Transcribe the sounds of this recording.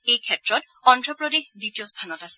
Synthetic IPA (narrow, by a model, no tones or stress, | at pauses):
ejkʰɛtɹɔt | ɔntɹɔpɹɔdexditiɔst̪ʰanɔtasɛ̥